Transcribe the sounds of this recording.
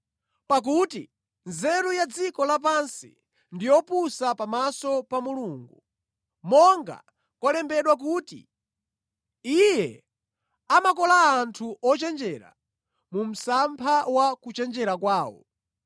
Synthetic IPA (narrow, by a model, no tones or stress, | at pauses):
pak̬uti | nzɛɾujad͡zikɔlap̬ansḭ | ndijɔpusapamasɔpamuluːŋɡu | mɔŋɡa̰ | kɔlɛmbɛɗwak̬uːtḭ | ijɛ | amakɔlaːntʰuʔɔt͡ʃɛnd͡ʒɛɾa̰ | mum̩sampʰawakut͡ʃɛnd͡ʒɛɾakwaːwɔ̰